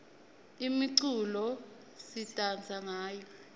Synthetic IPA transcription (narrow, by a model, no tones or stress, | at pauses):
imiǀulɔ | sitʼand͡zʱaŋaːjɔ